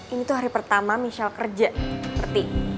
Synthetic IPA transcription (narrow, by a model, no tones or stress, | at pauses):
init̪uɦaɾipərt̪amamisalkərd͡ʒakərt̪i